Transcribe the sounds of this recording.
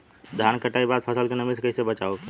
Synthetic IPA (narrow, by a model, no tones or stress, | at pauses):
d̪ʱaːnkəʈaːibaːd̪̚pʰəsəlkenəmiskəisebət͡ʃaːo